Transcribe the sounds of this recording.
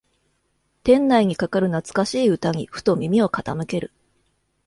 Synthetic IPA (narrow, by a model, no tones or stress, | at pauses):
t̪ẽ̞nːaiɲ̟ikakaɾɯ̟nat͡sɨ̥kaɕiːɯ̟t̪aɲ̟iɸɯ̟̥t̪o̞mʲimʲio̞kat̪amɯ̟ke̞ɾɯ̟̰